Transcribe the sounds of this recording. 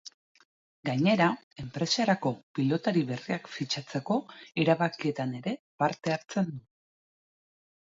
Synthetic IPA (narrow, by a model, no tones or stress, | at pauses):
ɡajɲe̞ɾa | e̞mpɾe̞saɾako̞pilo̞t̪aɾiβe̞riakfit͡ʃat͡se̞ko̞iɾaβakie̞t̪ane̞ɾe̞paɾt̪e̞aɾt͡se̞nd̪u